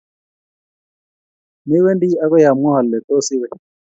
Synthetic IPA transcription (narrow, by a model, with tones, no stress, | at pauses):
ni˦wɛ˦ndi˦a˦kɛ˦ja˨mɔ˦ha˨lːɛ˨t̪ɔ˦si˦wɛ˦˨